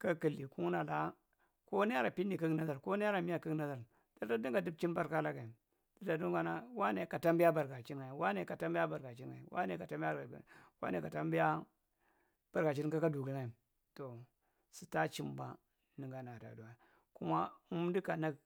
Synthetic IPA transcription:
ka˦ki˨lːi˨ku˦ŋ˦na˨la˨ | ko˦ne˦a˦ɾa˨pi˦ni˨ka˦ɡna˦za˨ɾko˦ne˦ja˦ɾa˨mi˦ja˦ka˦ɡna˨za˨ɾ | d̥a˨˦da˦di˦ŋɡa˨di˦b̚t͡ʃi˦nba˦ɾka˦la˦ɡa˨i˨ | d̥i˨da˨du˦ɡa˦na˦wa˦ne˨ka˨ta˦mbi˦ja˦ba˨ɾɡa˨t͡ʃi˦n˦a˨i˨wa˦ne˨˦ka˨ta˦mbi˦a˦ba˨ɾɡa˨t͡ʃi˦a˨i˨wa̰˦ne˨ka˨ta˦mba˦˨wa̰˦ne˨ka˨ta˦mbi˦ja˦ | b̥a˨ɾɡa˨t͡ʃi˦ka˦ka˦du˨ɡi˦ŋa˨i˨ | to˨ | si˨ta˦t͡ʃi˦mba˨ | ni˨ŋɡa˨na˨da̰˨du˨a˨ | ku˦ma˦u˦mdi˦ka˨na˦ɡ

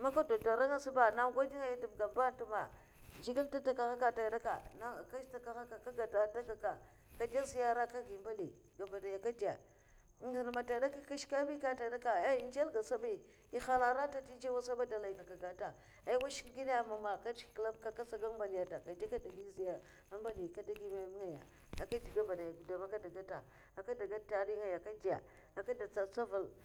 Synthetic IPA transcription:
ma˦ka˦do˨ta˨ɾa˦ŋa˦su˦ba˨na˦ɡʷa˦di˦ŋa˦i˦di˨bɡa˨ba˦n˦tu˦ma˨ | d͡ʒi˦ɡi˦lta˦ta˦ka˨ɣa˦ka˦˨ta˨da˦ka˨na˦˨ka˦ʃta˦ka˦ɣa˦ka˨ka˦ɡa˨ta˨ta˦ka˨ka˨ | ka˨da˦zi˦ja˦ɾa˦ka˦ɡi˨mba˦li˨ | ɡa˨ba˨da˨ja˨ka˦da˨˦˨ | i˨lma˨ta˨da˦ka˦ka˦ʃka˦mi˦ka˦ta˨da˦ka˨a˦˨nd͡ʒa˦lɡa˨sa˦bi˦ | i˦xa˦la˨ɾa˦ta˦ti˦d͡ʒa˦wa˦sa˦ba˦da˨la˨i˨ɡa˨ka˨ɡa˨ta˨ | a˦wa˦ʃi̥˦kɡi˦na˦ja˨ma˨ma˨ka˦t͡ʃkkla˦bka˦ka˦sa˦ɡa˦mba˨li˨ja˨ta˨ka˨da˦ka˦da˨ɡi˦zi˨a˨ | a˦m˦ba˦li˨ka˦da˦ɡi˦ma˨mi˦a˨ja̰˨ | a˨ka˦di˨ɡa˦ba˨da˨ja˨ɡu˨da˨ma˦ka˦da˨ɡa˦ta˨ | a˨ka˦da˨ɡa˦ta˨ɾi˦ŋa˨ja˨ka˦da̰˨ | a˨ka˦da˨t͡sa˨t͡sa˦va˨l

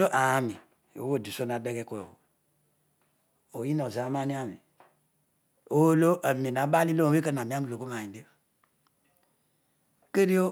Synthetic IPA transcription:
o˦ʔa˨a˨˦mi˨ | o̰˨wo˦˨di˨so˦n˨a˨de˦ɡe˦ko˦o˨o̰˨ | o˨ji˦no˨za˨˦ma˦ni˦a˦˨mi˨ | o˦lo˦a˨m˨e˨n˨a˨˦ba˦li˦lo˦o˨e˦ke˦n˨a˨mi˨˦a˦mi˨lo˨ko˦a˨i˨de˦˨ | ke˦ɾi˦o˦

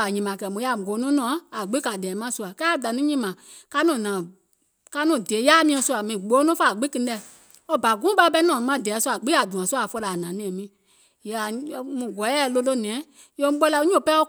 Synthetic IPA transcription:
a˨ɲĩ˨mã˨kɛ˨mũ˧˦a˧˨ɡoː˨˦nũ˦nɔ̃˨˦a˨ɡ͡bi˦ka˨dɛː˨˦mã˦su˧˦a˨ka˦˨da˨nũ˦ɲĩ˦mã˨ | ka˦nɔ̃˨nãː˨ | ka˧˦nɔ̃˨de˨˦jaː˦mĩ˧˦ɛ̃˧˨su˧a˨mĩ˨ɡ͡boː˨˦nɔ̃˦fa˦˨ɡ͡bi˦kɨ˧˦˧ɛ˨ | ɔ˧˦ba˨ɡũ˦ɓa˧˦bɛ˧˦nɔ̃ː˨˧mã˦˨dɛː˨˦su˦a˨ɡ͡bi˦a˨dũ˨ã˨su˦a˨fɔ˧la˨nã˨nɛ̃ː˨mĩ˨˦˨ | ja˨˧mũ˧˨ɡɔ˨˦ɛ˦˨˦lo˧lo˦nɛ̃ː˨˦ | jo˧˦ɓɔ˦la˧˦ɲũ˦˨pɛ˦ɔ˦

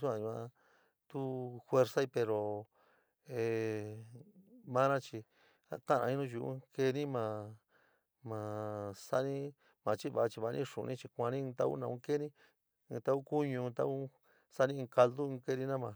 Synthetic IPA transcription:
su˦ã˧ɲu˧ã˧ | t̪u˦fwe˧ɾsa˦i˧pe˧ɾo˨ | e˨ | mã˦nã˦t͡ʃi˧ | a̰˧kã˦˨nã˧ĩ˧nũ˦˧ʒu˧ʔṵ̃˦ke˧nĩ˦mã˨ | mã˨sa˦nĩ˦ | mã˨˧t͡ʃi˦βa˨˧t͡ʃi˧βa˧nʔĩ˦ʂṵ̃˨˧nĩ˦t͡ʃi˧kʷã˧nĩ˦˧t̪a̰˦ṵ˦nã˧ũ˧˦ke˦nĩ˦˧ | t̪a˦u˦ku˦ɲũ˧t̪a˦u˦ | sa˦nĩ˧ka˧ld̪u˦˧ke˧nĩ˦nã˦˧mã˨

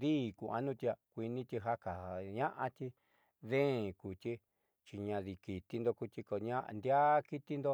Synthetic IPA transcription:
ðiː˦˨kṵ˧˨ʔa̰˧nũ˦˧t̪i˧a˧kʷi˧nĩ˧t̪ʲi˧ɦa˦ka˨ɲã˦ʔã˧t̪i˧ | ðẽ˦˨ku˨t̪ʲi˦ | t͡ʃi˧ɲã˧ði˧ki˨t̪i˧nd̪o˧ku˧t̪i˧ko˧ɲã˦ʔnd̪ja˦ki˦t̪i˧nd̪o˧

